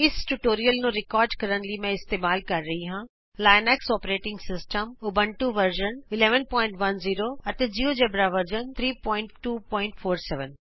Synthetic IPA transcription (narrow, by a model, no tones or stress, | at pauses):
ɪsʈuʈoːɾijəlnũɾɪkɔːɾɖkɐɾənlimɛ̃ːɪst̪eːmaːlkɐɾːɐɦiɦãː | laːɪnɛːksɔːpɾeːʈɪ̃ŋɡsɪsʈəmʊbəɳʈuʋəɾd͡ʒənɪlɛːʋənpɔːɪ̃ɳʈʋɐnziːɾoɐt̪ed͡ʒiːod͡ʒɛːbɾaʋəɾd͡ʒənt̪ʰɾiːpɔ̃ːɪ̃ɳʈʈuːpɔ̃ːɪɳʈfoːɾsɛʋən